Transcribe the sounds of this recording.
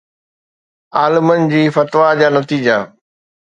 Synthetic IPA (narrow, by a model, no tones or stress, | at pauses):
aːlɪmənɪ̆d͡ʑiːfɐt̪ʋad͡ʑaːnɐt̪iːd͡ʑa